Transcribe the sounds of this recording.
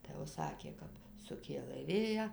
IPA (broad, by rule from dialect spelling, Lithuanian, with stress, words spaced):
tɐɪ jɛʊ ˈsɑːkʲeː ˈkɐp sʊˈkʲeːlˠɘ ˈʋʲeːjæː